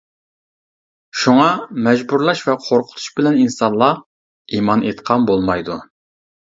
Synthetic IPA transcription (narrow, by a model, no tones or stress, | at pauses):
ʃuŋɑmɛd͡ʒbuɾlˠɑʃvɛqʰoɾqʰʊ̥t̪ʰu̥ʃbɪlɛninsɑnlˠɑ | imɑnʔet̪qʰɑmbolˠmɑjd̪u